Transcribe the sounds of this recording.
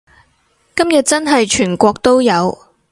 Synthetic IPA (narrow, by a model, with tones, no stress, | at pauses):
kɐ˥mjɐ˨t̚t͡sɐ˥nɦɐ˨jt͡ʃʰyː˨˩nkʷɔː˧k̚t̪o˥wjɐ˨˧w